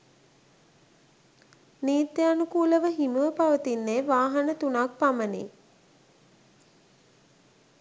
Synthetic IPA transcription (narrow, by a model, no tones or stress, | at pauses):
niːt̪ːeanukuːləʋəɦiməʋəpaʋət̪inːeːʋaːɦənət̪unak̚pamənḭ